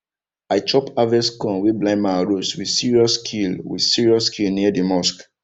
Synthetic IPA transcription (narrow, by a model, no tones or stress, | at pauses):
aɪt͡ʃɔpavɛskɔ̃nweblãɪ̃nmaɹoswi̥siɹiɔskʰilwḭd̥siɹiɔskʰilniadimɔsk